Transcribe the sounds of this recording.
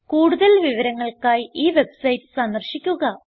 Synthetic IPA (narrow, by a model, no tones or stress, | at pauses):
kuːɽuðɐlʋiʋɐɾɐŋːɐɭkaːjiːʋe̞bsɐjtːɨ̥sɐnd̪ɐrɕikʲːuɣɐ